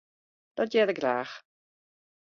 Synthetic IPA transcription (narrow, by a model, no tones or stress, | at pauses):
d̥ɔdjɛɾəɡɾaːχ